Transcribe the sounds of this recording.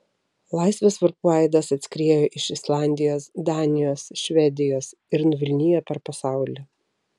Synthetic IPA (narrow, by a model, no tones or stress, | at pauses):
lˠɑˑɪsʲʋʲesʋɐɾpuɛˑɪd̪ɐsɐt̪ʲsʲkɾʲeːɛjoːʔɪʃɪslˠɑˑnʲd̪ʲɪjoːsd̪ɑːnʲɪjoːsʃʲʋʲɛd̪ʲɪjoːs | ɪɾnʊʋʲɪlʲnʲɪjɛpʲɛɾpɐsɑˑʊlʲɛ